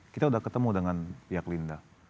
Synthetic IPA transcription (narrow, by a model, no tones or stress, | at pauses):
kit̪audahkət̪əmudəŋanpiaklindah